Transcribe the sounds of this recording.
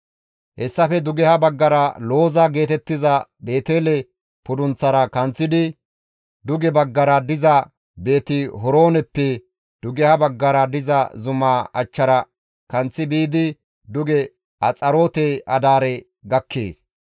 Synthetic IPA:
hɛsːɐfɛd̪ʊɡɛhɐbɐɡːɐɾɐlo̞ːzɐɡe̞ːt̪ɛt̪ːɪzɐbe̞ːt̪e̞ːlɛ | pʊd̪ʊnt͡sːɐɾɐkɐnt͡sːɪd̪ɪ | d̪ʊɡɛbɐɡːɐɾɐd̪ɪzɐ | be̞ːt̪ɪɦɔɾo̞ːnɛpːɛ | d̪̥ʊɡɛhɐbɐɡːɐɾɐd̪ɪzɐzʊmaːɐ̰t͡ʃːɐɾɐ | kɐnt͡sːɪbiːd̪ɪ | d̪ʊɡɛ | ʔɐt͡sʼɐɾo̞ːt̪eʔɐd̪aːɾɛ | ɡɐkʰːḛːs

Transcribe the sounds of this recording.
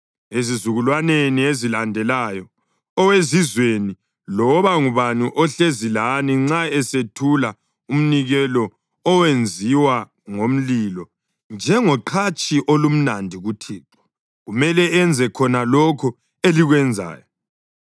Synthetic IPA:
ezizuɣulwaneniezilandʱɛlaːjɔ | ɔwezizweni | lɔβaŋuβaniʔɔɬezilaniŋ͡ǀaɛsetʰula | um̩niɣɛlɔ | ɔwend͡zʱiwa | ŋom̩lilɔ | nd͡ʒʱɛŋɔǃʰat͡ʃʼiʔolum̩nandʱiɣutʰiːǁɔ̥ | ɣumɛlɛɛnd͡zʱɛkʰɔnalɔkʰɔ | eliɣwɛnd͡zʱa̰ːjɔ

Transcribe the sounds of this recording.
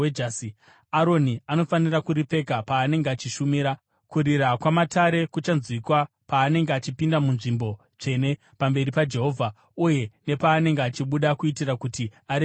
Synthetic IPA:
ed͡ʒasi | aɾo̞niano̞fanirakuɾip͡fe̞kapaːne̞ŋɡeat͡ʃiʃumiːɾa | kuɾiɾakwamataɾe̞kut͡ʃanzwikwa | paːne̞ŋɡeat͡ʃipindamunʐimbo̞ | t͡ʂe̞ne̞ | pambe̞ɾipad͡ʒe̞ɦo̞ːvʱa | uje̞ne̞paːne̞ŋɡeat͡ʃiɓuɗakuitirakutiaɾe

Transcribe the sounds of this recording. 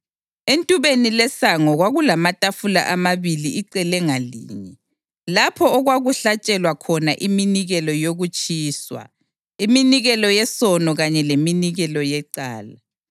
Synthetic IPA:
entʼuβenilɛsaŋɔɣwaɣulamatʼafula̰ʔamaβiliiǀɛlɛŋalḭːɲɛ | lapʰɔːɣwaɣuɬat͡ʃʼɛlwakʰɔna̰ʔiminiɣɛlɔjoɣut͡ʃʼiːswa̰ | iminiɣɛlɔjɛsɔnɔɣaɲɛleminiɣɛlɔjɛǀaːla

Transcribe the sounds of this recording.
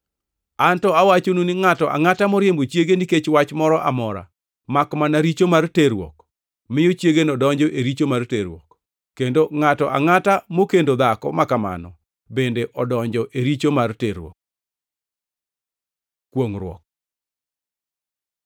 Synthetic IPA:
antɔawat͡ʃonunɪŋatɔʔa̰ŋatamɔɾjembot͡ʃjeɡeniket͡ʃwat͡ʃmɔɾɔʔamɔɾa̰ | makmanaɾit͡ʃomarteɾwɔ̰k | mɪjot͡ʃjeɡenɔdɔɲd͡ʒɔʔeɾit͡ʃomarteɾwɔ̰kː | endoŋatɔʔa̰ŋatamokendod̪akɔ̰makama̰nɔ | bendeʔɔdɔɲd͡ʒɔʔeɾit͡ʃomarteɾwɔ̰k̚ | kːwoŋɾwɔ̰k̚

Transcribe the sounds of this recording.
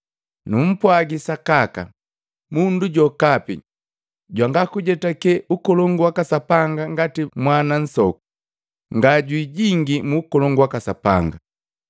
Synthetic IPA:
num̩pwaɡisakaka̰ | munduɟɔkapḭ | ɟwaŋɡakuɟɛtakɛʔukɔlɔŋɡuwakasapaŋɡaŋɡatimwanan̩sɔku̥ | ŋɡaɟwiɟiŋɡimuːkɔlɔŋɡwakasapa̰ŋɡa

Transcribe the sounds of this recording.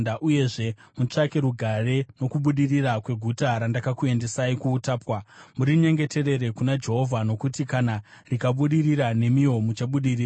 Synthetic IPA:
daʔuje̞ʐe̞mut͡ʂake̞ɾuɡʱare̞no̞kuɓuɗirirakwe̞ɡʱutaɾandakakue̞nde̞saikuːtaːpwamuɾiɲe̞ŋɡe̞te̞re̞ɾe̞kunad͡ʒe̞ɦo̞vʱano̞kutikana | rikaɓuɗiriɾane̞mio̞mut͡ʃaɓuɗiriːra

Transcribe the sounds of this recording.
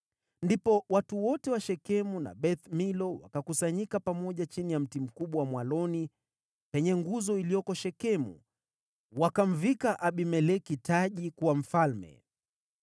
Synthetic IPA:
ndipɔwatuwɔtɛwaʃɛkɛmuna̰ɓɛt̪milɔwa̰kakusaɲikapamɔʄat͡ʃinijam̩tim̩kuɓwawamwalɔni | pɛɲɛŋɡuzɔilijɔkɔʃɛkɛmṵ | wakam̩vikaʔaɓimɛlɛkitaʄikuwam̩falmɛ̰

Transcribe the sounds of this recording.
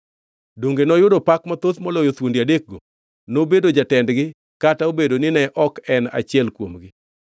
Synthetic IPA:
doŋɡenɔjʊdɔpakmat̪ot̪mɔlɔjot̪wondiadek̚ɡo | nobedod͡ʒatɛndɡɪ | kataobedonɪnɛʔɔkɛna̰t͡ʃɪɛlkwomɡɪ

